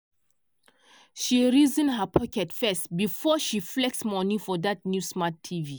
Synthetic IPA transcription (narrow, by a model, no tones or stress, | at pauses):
ʃiɹizə̃nɦəpʰɔkɛtfɛstbifɔʃiflɛk̚smɔnifɔdat̚njusmatʰːivi